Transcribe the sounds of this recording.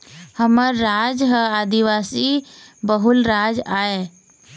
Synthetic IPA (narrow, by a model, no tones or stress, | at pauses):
həməɾːaːd͡ʒɦəaːd̪iʋaːsibəɦʊlɾaːd͡ʒaːe